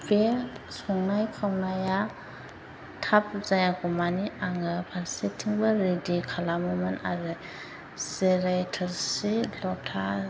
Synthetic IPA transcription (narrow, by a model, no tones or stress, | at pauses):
pepsɔŋnajkʰawnaja | tʰap̚zajakɔmaniaŋɯpʰaɾsetʰːiŋbaɾedikʰalamumɯna̰ɾɯ | seɾajtʰɯɾsilɔtʰa